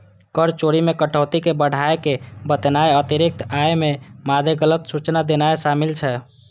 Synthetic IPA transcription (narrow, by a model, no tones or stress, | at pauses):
kəɾt͡ʃoɾimekəʈʰət̪ikebəɽ̤ʱaekebət̪naeət̪iɾik̚t̪aememad̪ʱeɡələt̪sut͡ʃnad̪enaeʃamilt͡ʃʰɛ